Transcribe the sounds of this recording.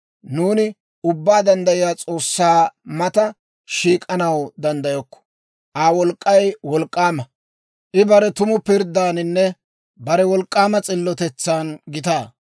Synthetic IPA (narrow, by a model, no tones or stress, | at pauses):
nuːnɪ | ʊbːaːd̪ɐnd̪ɐjɪjaːt͡sʼo̞ːsːaːmɐt̪ɐ | ʃiːkʼɐnɐwd̪ɐnd̪ɐjɔkːɔ̥ | ʔaːwɔlkʼːɐjwɔlkʼːaːmɐ | ʔɪbɐɾɛt̪ʊmʊpɪɾd̪aːnɪnːɛ | bɐɾɛwɔlkʼːaːmɐt͡sʼɪlːɔt̪ɛt͡sːaːnɡɪt̪aː